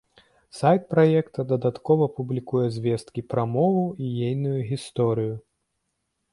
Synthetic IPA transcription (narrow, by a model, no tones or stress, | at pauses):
sajt̪̚pɾajɛkt̪ɐd̪ɐd̪at̪kɔvɐpublʲikujɛzʲvʲest̪kʲipɾamɔvuijejnujuɣʲist̪ɔɾɨju